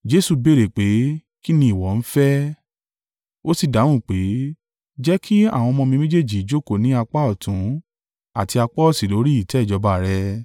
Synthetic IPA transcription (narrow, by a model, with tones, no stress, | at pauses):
d͡ʒe˦su˧be˦˨ɾe˨k͡pe˨˦ | ki˦nĩ˧˦i˨wɔ˨˦n̩˦fɛ˦ | o˦si˦˨da˨˦w̃ũ˦˨k͡pe˨˦ | d͡ʒɛ˦kʰi˦a̰˦˨w̃ɔ̃˧mɔ̃˧mĩ˧mẽ˦d͡ʒe˦˨d͡ʒi˨˦d͡ʒo˦˨ko˦˨nĩ˨˦a˧k͡pa˦ɔ˦˨tʰũ˨˦ | a˦˨ti˧a˧k͡pɔ˦˨si˨lo˨˦ɾi˦i˦˨tɛ˨˦˨d͡ʒɔ˧˦ba˧˨ɾɛ˧